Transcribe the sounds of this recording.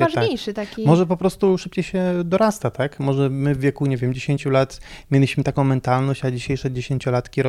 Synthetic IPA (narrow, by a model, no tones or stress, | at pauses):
vaʒaɲejʂɘt̪akkʲimɔʐɛpɔpɾɔst̪uʂɘp̚t͡ɕejɕɛd̪ɔɾast̪at̪akmɔʐɛmɘvːʲjekuɲevʲjɛmd͡ʑeɕeɲt͡ɕulat̪mʲjelʲiɕmɘt̪akɔ̃w̃mɛnt̪alnɔ̃ɕt͡ɕad͡ʑiɕejʂad͡ʑeɕeɲt͡ɕɔlat̪kʲiɾɔ